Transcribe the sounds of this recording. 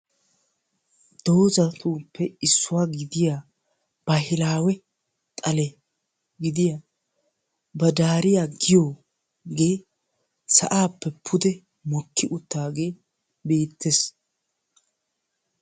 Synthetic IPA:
d̪̥o̞ːzɐt̪uːpːɛɪsːʊwaːɡɪd̪ɪjaː | b̥ɐɦɪlaːwɛ | t̪ʼɐlɛ | ɡɪd̪ɪjaː | bɐd̪aːɾɪjaːɡɪjoː | ɡe̞ː | sɐ̰ʔaːpːɛpʰːʊd̪ɛ | mɔkʰːɪʔʊt̪ːaːɡe̞ː | be̞ːt̪ːes

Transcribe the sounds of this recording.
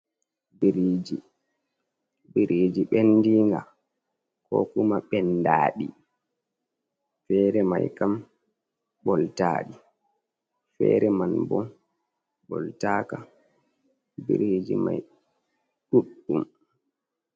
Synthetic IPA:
biɾid͡ʒi | biɾid͡ʒiɓɛndiːŋɡa | kɔkumaɓɛndaːɗi | fɛːɾɛmajkam | bɔltaːɗi | fɛ̰ːɾɛmanbɔn | bɔltaːka | bḭɾid͡ʒima̰j | ɗuɗːum

